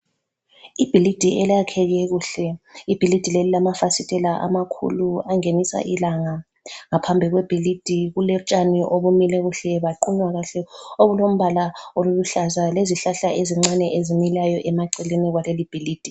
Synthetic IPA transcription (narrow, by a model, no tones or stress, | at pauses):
ib̥ʱilid̥ʱiɛlakʰɛɣɛɣuːɬɛib̥ʱilid̥ʱilelilamafasitʼɛlaʔa̰makʰṵluaŋenisa̰ʔilaŋa | ŋapʰambʱiɣwɛb̥ʱilid̥ʱiɣulɛt͡ʃʼaniʔoβumilɛɣuɬɛβaǃuɲwaɣaɬɛoɣulom̩βalaoluluɬazaleziɬaɬaeziŋ͡ǀanɛʔezimilajɔʔɛmaǀɛliniɣwalelib̥ʱiliːd̥ʱi